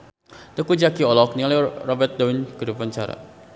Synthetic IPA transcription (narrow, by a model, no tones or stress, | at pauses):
t̪əkud͡ʒakiɔlɔk̚niŋalarɔbɛrt̪̚dawɪnkədupaɲt͡ʃaɾa̰